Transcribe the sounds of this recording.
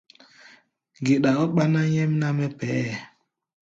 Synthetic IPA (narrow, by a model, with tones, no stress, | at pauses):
ɡe˨ɗa˨ɔ˦ɓa˦na˦ɲɛ˦mna˦mɛ˦pɛ˨˦ɛ˨